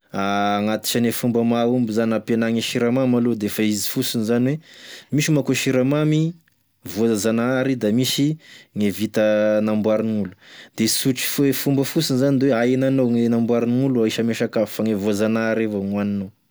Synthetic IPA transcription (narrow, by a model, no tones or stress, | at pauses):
aŋat̪i̥ʃanefumbəmaumbizanapenaŋeʃiɾamamalod̪efaizi̥fusinizanwemiʃimakoʃiɾamami | voazanaɾid̪amisiŋevit̪ənambwaɾinulu̥d̪esuʈ͡ʂi̥fefumbəfusinizand̪eweajinanoŋenambwaɾiniuluaiʃəmeʃakavifaŋevuazanaɾevaŋanino